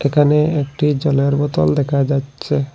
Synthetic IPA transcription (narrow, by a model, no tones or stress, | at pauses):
ekʰaneek̚ʈid͡ʑɔleɾbɔt̪ɔld̪ɛkʰad͡ʑatːɕʰe